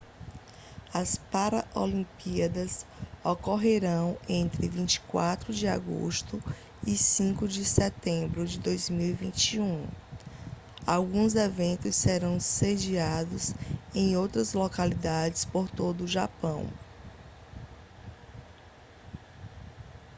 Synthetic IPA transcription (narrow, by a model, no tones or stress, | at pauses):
ɐspaɾɐʔolĩpiɐd̪ɐsɔkoɦeɾɐ̃w̃ẽnt̪ɾɪvĩnt͡ʃi̥kwat̪ɾʊd͡ʒɪa̰ɡo̰ʃt̪ʊ | isĩkʊd͡ʒɪsɛt̪ẽbɾʊd͡ʒɪd̪ojzmiwivĩt͡ʃiũ | awɡũzevẽnt̪ʊsːeɾɐ̃w̃sed͡ʒiad̪ʊsẽj̃owt̪ɾɐzlokalid̪ad͡ʒɪspoɾt̪od̪ʊːʒapɐ̰̃w̃